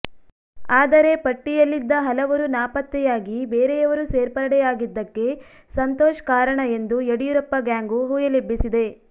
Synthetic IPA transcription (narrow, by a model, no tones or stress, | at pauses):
aːd̪ɐɾe̞pɐʈːijɐlːid̪ːɐɦɐlɐʋɐɾunaːpɐt̪ːɛjaːɡibeːɾejɐʋɐɾuseːɾpɐɾɐɽɛjaːɡid̪ːɐkːe̞ | sɐnt̪oːʃɐ̥kaːɾɐɳɐe̞nd̪ueɽijuɾɐpːɐɡjaːŋɡuɦuːjɐlibːisid̪e̞